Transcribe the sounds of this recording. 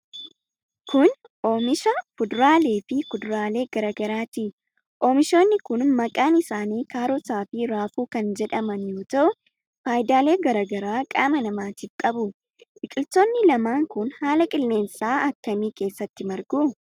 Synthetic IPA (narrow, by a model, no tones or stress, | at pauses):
kʰʊn | ʔo̞ːmɪʃɐkʊd̪ɾaːle̞ːfɪkʊd̪ɾaːle̞ːɡ̥ɐɾɐːɡɐɾaːt̪ɪ | ʔoːmɪʃo̞ːnːɪkʊnmɐkʼaːnɪsaːniːkaːɾɔsaːfɪɾaːfuːkɐnd͡ʒɛᶑɐmɐnjoːt̪ɐʔʊ | faːjd̪aːle̞ːɡɐɾaːɡɐɾaːkʼaːmɐnɐmaːt̪iːfkʼɐbʊ | ʔɪkʼɪlt̪oːnːɪlɐmaːŋkʊnhaːlɐkʼɪlːe̞ːnsaːɐkːɐmiːke̞ːsːɐt̪ːɪmɐɾɡuː